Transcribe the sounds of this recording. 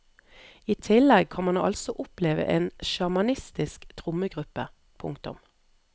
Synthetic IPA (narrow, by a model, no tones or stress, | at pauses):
iːt̪ʰɪlɛɡ̚kʰɑnmɑnɑ̰lsɔʔʊpleːʋə̰ʔeːnʃɑmɑnɪst̪ɪskt̪ʰʁʊməɡʁʉpə | pʰʊ̰ŋkt̪ʊ̰m